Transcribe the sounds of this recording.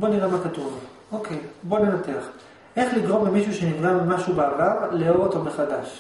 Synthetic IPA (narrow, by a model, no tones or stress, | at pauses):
bo̞niʁemakat̪uv | o̞kʰe̞jbo̞nenat̪e̞aχ | ʔe̞χliɡʁo̞mbemiʃuʃenivɡamimaʃubeavavleo̞ʁot̪omeχad̪aʃ